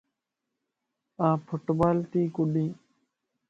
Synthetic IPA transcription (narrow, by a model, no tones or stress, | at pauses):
ãːpʰʊʈbaːlt̪iːkʊɗĩː